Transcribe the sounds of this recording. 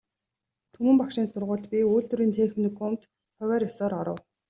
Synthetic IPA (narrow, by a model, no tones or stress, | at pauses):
t̪ʰɵmɘ̆mpakʃɪ̆ːnsʊrʁʊːɮt̪pʲiuːɮt̪ɵ̆ɾiːnt̪ʰeːxɘ̆nɡʊm̥t̪ | χœwʲæːɾjɔsɔːɾɔɾɞ̰̆w